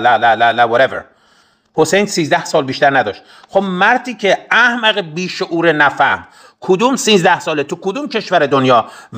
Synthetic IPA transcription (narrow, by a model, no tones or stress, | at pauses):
lælælælæwɒɾevḛɾ | hosejnsiːzd̪æhsɒːlbiːʃt̪æɾnæd̪ɒːʃt̪̚ | xobmæɾt̪ʰiːcʰeæhmæɣebiːʃoʔuːɾenæfæhm | kʰod̪uːmsiːzd̪æhsɒːlet̪ʰukʰod̪uːmcʰe̞ʃvæɾed̪onjɒː